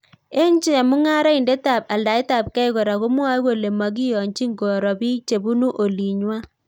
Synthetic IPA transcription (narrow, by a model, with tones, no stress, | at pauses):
e˦ɲt͡ʃe˦a˨mu˦ŋa˦ɾa˦i˨nde˦ta˨p̚a˨la˨i˦ta˨p̚kɛ˦ɪ˦ɣo˨ɾa˨ɣo˦m˦a˦ɣo˨le˨ma˨ɡi˦jɔ˨ɲt͡ʃi˦ŋɡo˨ɾɔ˨bi˦t͡ʃe˨bu˦nu˦ʔo˨li˨ɲwa˦